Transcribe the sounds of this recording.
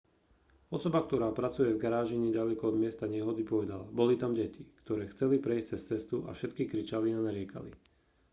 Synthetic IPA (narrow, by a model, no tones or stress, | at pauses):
ɔsɔbak̚t̪ɔɾaːpɾat͡sujɛvɡaɾaːʒiɲɛɟalɛkɔɔd̪mɪɛst̪aɲɛɦɔd̪ipɔʋɛd̪alabɔlit̪amɟɛcikt̪ɔɾɛːxt͡sɛlipɾɛisct͡sɛst͡sɛst̪uʔa̰fʃɛt̪kikɾit͡ʃalianaɾɪɛka̰lḭ